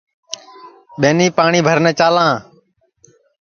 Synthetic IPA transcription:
ɓeːniːpaːɳiːbʱəɾnɛ̃ːt͡ʃaːlãː

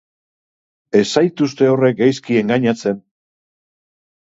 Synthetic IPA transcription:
e̞sajt̪ust̪e̞o̞re̞k̚ɡajskie̞ŋɡaɲat͡se̞n

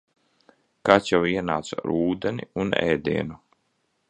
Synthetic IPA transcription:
kat͡ʃ̪jawiɛna̰ːt̪saɾuːd̪ɛnḭunɛ̰ːd̪iːnu

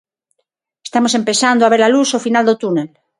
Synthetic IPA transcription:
est̪amosempe̞sand̪oaβeɾlalusofinald̪ot̪unel

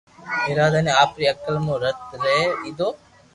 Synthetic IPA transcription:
eːɾaːd̪aːnẽːaːpɾiːəkəlmõːɾət̪ɾeeiːd̪oː

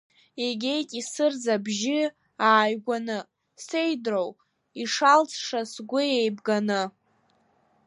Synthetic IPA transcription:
eɡʲe̞jtʼisɨrd͡zabʒɪ | aːjɡʷanɨ | se̞jdrow | iʂalt͡sʰʂasɡʷʊejbɡanɨ

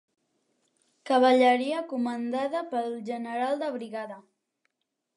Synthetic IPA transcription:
kəβ̞əʎəɾiəkumənd̪aðəpəɾlˠʒənəɾalˠd̪əβɾiɣaðə

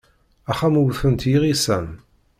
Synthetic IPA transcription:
æχæmuwθənt̪jiʁisæn

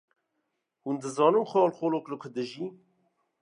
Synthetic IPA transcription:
hund̪ɨzɑːnɨmxɑːlxoːloːkləkʷʰəd̪ɨʒi

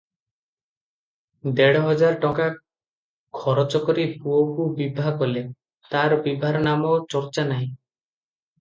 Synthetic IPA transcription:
d̪eɽɔɦɔd͡ʒaɾʈɔka | kʰɔɾɔt͡ʃɔkɔɾipuokubibʱakɔle | t̪aɾbibʱaɾɔnamɔt͡ʃɔɾt͡ʃanaɦĩ

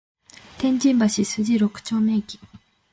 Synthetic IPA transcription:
t̪ẽ̞ɲd͡ʑĩmbaɕisɨd͡ʑiɾokɯ̟̥t͡ɕoːme̞ːkʲi̥

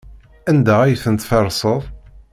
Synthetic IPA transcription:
ænd̪ææjθənt̪fɑɾˤsˤəðˤ

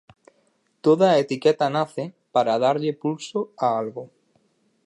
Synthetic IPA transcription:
t̪oðaːet̪ikɛt̪anaθɪ | paɾaðaɾʎɪpulsoaalɣo

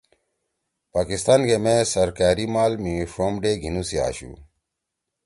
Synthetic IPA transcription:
paːkist̪aːnkemẽsəɾkaːɾimaːlmifɾomɖeːɡʱinusia̰ːɕṵː

